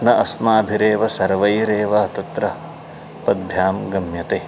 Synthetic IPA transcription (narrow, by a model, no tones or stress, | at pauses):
nɐʔɐsmaːbʱiɾeːʋɐsɐɾʋɐjɾeːʋɐɐt̪ɐt̪ɾɐ | pɐd̪ʱjaːmɡɐmjɐt̪eː